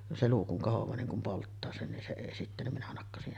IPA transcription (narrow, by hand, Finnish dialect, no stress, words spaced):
se luː kuŋ kohoʋˑɑː niŋ kum poltːɑː sen nin se eˑi sitːæ nim minæ nɑkːɑsih